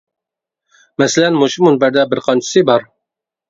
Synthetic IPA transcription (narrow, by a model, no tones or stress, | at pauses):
mæslænmoʃumunbæɾd̪æbɪɾqɑnt͡ʃɪ̥sibɑɾ